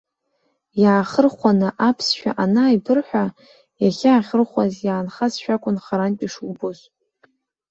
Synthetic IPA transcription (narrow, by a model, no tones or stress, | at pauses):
jaːχərχʷanɨʔapʰsʃᶣa̰ʔanajbɨrħʷᶣa | jaχʲaːχʲərχʷazjaːnχasʃᶣakʷʼʊnχaɾantʲʼiʂuboz